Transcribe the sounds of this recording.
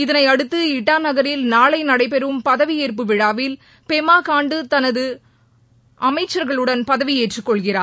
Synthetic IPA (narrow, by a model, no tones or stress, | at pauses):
ɪðɐnɐɪɐɽɯt̪ːɯɪʈːaːnɐɣɐɾɪlnaːɭɐɪnɐɽɐɪpɛɾɯmpɐðɐʋieːɾp̬ɯʋɪɽaːʋɪl | pɛmaːkaːɳɖɯt̪ɐnɐðɯ | ʔɐmɐɪt͡ʃːɐɾɣɐɭɯɽɐnpɐðɐʋieːʈrɯkːɔɭɣɪraː